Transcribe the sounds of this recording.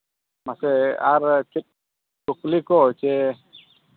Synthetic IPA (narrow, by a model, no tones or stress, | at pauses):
masɛaɾt͡ʃit̪̚ | kuklikɔɦɔjt͡ʃɛ